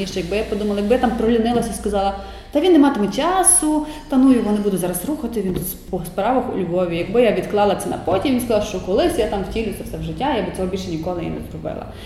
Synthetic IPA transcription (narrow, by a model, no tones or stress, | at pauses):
iʃt͡ʃɛjɐɡ̚bɪjapɔd̪umɐlˠɐjɐɡbɪjat̪ampɾɔɦlʲinɪlˠɐsʲɐskɐzɑlˠɐ | t̪ɐʋʲinːɛmɑt̪ɪmɛt͡ʃɑsʊt̪ɐnujʊʋɔnɪbud̪ʊtʲzɑɾɐsruxɐt̪ɪʋʲin | pɔspɾɑʋɐxʊ̰lʲʋɔʋʲijɐɡbɪjaʋʲid̪klˠɑlˠɐt̪ɛnɐ̰pɔtʲiʋʲinskɐzɑlˠʃt͡ʃɔkɔlˠɪsʲjat̪amwtʲilʲʊt̪sʲɛfsɛwʒɪtʲːajabɪsʲɛɦɔbʲilʲʃɛnʲikɔlˠɪja̰nɛ̰zɾɔbɪ̰lˠɐ̰